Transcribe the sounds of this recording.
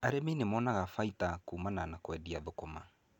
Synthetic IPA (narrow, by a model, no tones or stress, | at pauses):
aɾemenemɔnaɣafaitakuːmananakwɛdiabekoma